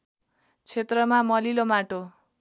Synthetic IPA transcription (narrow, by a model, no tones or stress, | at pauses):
t͡sʰet̪rʌmamʌlilomaʈo